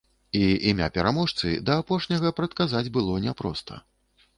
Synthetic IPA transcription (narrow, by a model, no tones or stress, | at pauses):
iimʲa̰pʲɛɾamɔʂt̪sɨ̰d̪ɐːpɔʂnʲɐɣɐpɾɐt̪̚kazad͡zʲbɨlˠɔnʲɛpɾɔ̰st̪ʰɐ̰